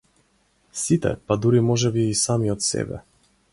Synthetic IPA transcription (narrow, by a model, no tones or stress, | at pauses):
sit̪ɛ̰pad̪uɾimɔʒɛbiisamiɔt̪sɛ̰bɛ̰